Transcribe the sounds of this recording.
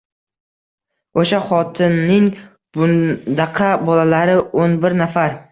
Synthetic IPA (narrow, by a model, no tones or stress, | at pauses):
oʃaχɒt̪ʰɪnːɪŋ | bʊd̪ɑqʰɑbɒlalaɾɪʔonbɪɾnafaɾ